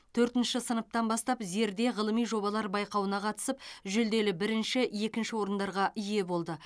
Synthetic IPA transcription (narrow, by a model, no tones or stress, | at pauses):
t̪ʰɵɾt̪ɪnʃɪsənəp̚t̪ɑnbɑst̪ɑpze̞ɾd̪e̞ʁəlˠəmijʒo̞bɑlˠɑɾbɑjqɑwənɑqʰɑt̪ə̥səp̚ʒʏld̪e̞lɪbɪɾɪnʃɪje̞kʲɪnʃɪwo̞ɾənd̪ɑɾʁɑʔʏje̞bo̞lˠd̪ə